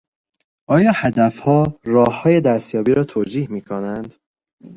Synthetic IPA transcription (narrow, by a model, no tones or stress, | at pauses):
ʔɒːjɒːhæd̪æfhɒːrɒːhːɒːje̞d̪æst̪jɒːbiːɾɒːt̪ʰoːd͡ʒiːhmiːkʰonænd̪